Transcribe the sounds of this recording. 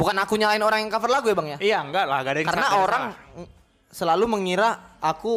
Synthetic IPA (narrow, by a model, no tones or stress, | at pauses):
bukanakuɲalaɪnoɾaŋjaŋkafɪrlaɡujabaŋjaijaŋɡaʔlahɡadakaɾənaoɾaŋ | səlaluməŋiɾaaku